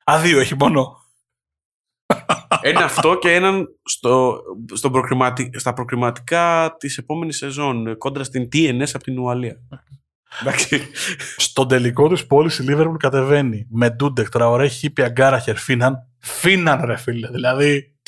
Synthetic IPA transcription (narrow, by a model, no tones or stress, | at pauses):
ɐðioeçimo̞no̞ | eneɐft̪o̞ce̞enɐnst̪ost̪o̞bɾokɾimɐt̪ist̪ɐpɾo̞kɾimɐt̪i̥kɐt̪ise̞po̞me̞nise̞zo̞nko̞nd̪ɾɐst̪int̪iene̞sɐpo̥t̪inuɐliɐ | d̪ɐksist̪o̞nd̪eliko̞t̪ispo̞lisiliveɾpulkɐt̪e̞ve̞nime̞d̪ud̪ekt̪ɾɐoɾeçipiɐɡɐɾɐçe̞ɾfinɐn | finɐnɾe̞fileðilɐði